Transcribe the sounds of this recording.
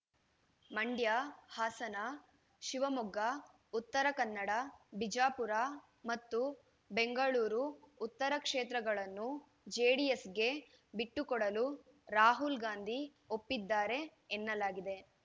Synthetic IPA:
mɐɳɖjahaːsɐna | ʃiʋɐmuɡa | ut̪ːɐɾɐkɐnːɐɽɐbid͡ʒaːpuɾa | mɐt̪ːu | beŋɡɐɭuːɾuːt̪ːɐɾɐkʂeːt̪ɾɐɡɐɭɐnːu | d͡ʒeːɽijesɡe̞ | biʈːukɔɽɐlu | ɾaːɦulɡaːnd̪ʱi | opːid̪ːaːɾe̞ːnːɐlaːɡid̪e̞

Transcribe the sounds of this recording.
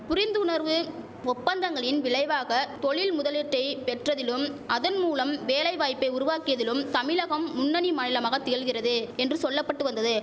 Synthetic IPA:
pʊɾɪnd̪ɯʊnɐɾʋɯ | ɔpːɐnd̪ɐŋɡɐɭɪnʋɪɭɐɪʋaːɣɐt̪ɔɭɪlmʊðɐlɛʈrɐɪpɛʈrɐðɪlɯmʔɐðɐnmuːlɐmʋeːlɐɪʋaːjpːɐɪʊɾʊʋaːkɪjɐðɪlɯmt̪ɐmɪlɐɣɐmːʊnːɐnimaːnɪlɐmaːɣɐt̪ːɪjɐɭɣɪrɐðɯɛndrɯsɔlːɐpːɐʈːɯʋɐnd̪ɐðɯ

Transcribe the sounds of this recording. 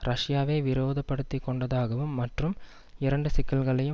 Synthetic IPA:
ɾʔɐʂjaːʋeːʋɪɾoːðɐpːɐɽɯt̪ːɪkːɔɳɖɐðaːɣɐʋɯmːɐʈrɯm | ɪɾɐɳɖɯsɪkːɐlɣɐɭɐjɯ

